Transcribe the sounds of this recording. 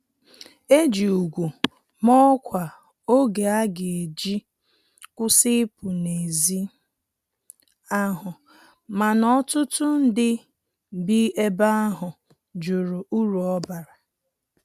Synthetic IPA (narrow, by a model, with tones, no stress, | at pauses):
e˦d͡ʒi˨u˨ɡʷu˨ | mɔ˦kʷa˨ | o˦ɡe˨a˦ɡe˨e˨d͡ʒi˦ | kʷʊ˦sɪ˦pʊ˨ne˨zi˦ | a˦ɦʊ˨ | ma˨nɔ˦tʊ˦tʊ˦n̩˦dɪ˦˨ | bi˦ʔe˦ba˦a˦ɦʊ˨ | d͡ʒʊ˨ɾʊ˨ʔu˦ɾu˨ɔ˦ba˨ɾa˨